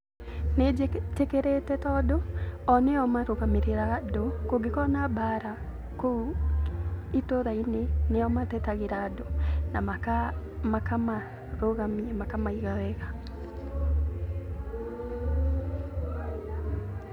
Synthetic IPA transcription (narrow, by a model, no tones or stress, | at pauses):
netekeɾetɛtɔdoɔneɔmaɾoɣameɾeɾadokoɡekɔnabaɾa | ko | itoðaineneɔmatɛtaɣeɾadonamaka | makama | ɾoɣamimakamaiɣawɛɣa